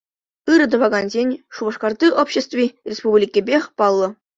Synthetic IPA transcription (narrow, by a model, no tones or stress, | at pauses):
ɯɾɤ̆d̪ŏʋɑɡɑnzʲenʲʂubɤ̆ʂkɑrd̪ɯʔopʲɕest̪vʲirʲespublʲikʲĕbʲexʲpɑlˠːɤ̆